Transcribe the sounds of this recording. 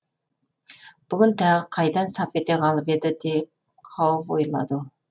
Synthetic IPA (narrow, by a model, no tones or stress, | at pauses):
b̥ʊɡʲʏnt̪ʰæʁəqʰɑjd̪ɑnsɑpe̞t̪e̞qʰɑlˠəped̪ɪd̪ep̚ | qʰɑwəpojlˠɑ̰d̪ə